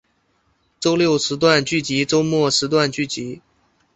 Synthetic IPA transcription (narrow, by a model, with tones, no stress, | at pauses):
ʈ͡ʂo˥ʊljo˥˩ʊʂɻ̩˧˥t̪̬wa˥˧nt͡ɕy˥˩t͡ɕi˧˥ʈ͡ʂo˥ʊmwɔ˥˩ʂɻ̩˧˥t̪̬wa˥˧nt͡ɕy˥˩t͡ɕi˧˥